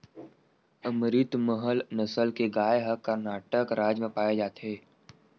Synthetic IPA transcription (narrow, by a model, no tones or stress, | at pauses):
əmɾɪt̪məɦəlnəsəlkeɡaːeɦəkːəɾnaːʈəkɾaːd͡ʒmẽpaːjed͡ʒaːt̪ɦeː